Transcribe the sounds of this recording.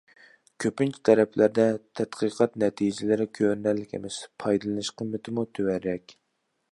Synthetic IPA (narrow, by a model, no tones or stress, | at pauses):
kʲʰøpynt͡ʃʰi̥t̪ʰɛɾɛpʰlæɾd̪ɛt̪ʰɛt̪qʰɨqʰɑt̪nɛt̪ʰijd͡ʒɪlɪɾɪkʲʰøɾnælːɪkʲḛmɪspʰɑjd̪ɨlˠɨnɨʃqʰəmːɪt̪ʰɪmut̪ʰøwæɾɛkʲ